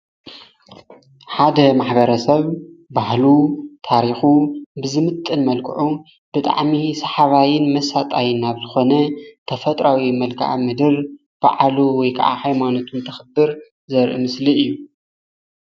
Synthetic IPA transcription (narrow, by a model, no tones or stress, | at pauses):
ħad̪ɐmaħbɐɾɐsɐβbahlut̪ʰaɾixubɨzɨmɨt̪ʼːɨnmɐlkʰɨ̰ʕu | b̥ɨt̪ʼa̰ʕmisɐħaβajɪnmɐsat̪ʼajɨnaβzɨxo̞nɐt̪ʰɐfɐt̪ʼɾawimɐlkʰa̰ʔa̰mɨd̪ɨɾ | b̥a̰ʕaluwɔjkʰɐa̰ʕa̰hajmanot̪ʰunt̪ʰɐxɨbɨɾ | zɐɾʔɨ̰mɨsliɨjːu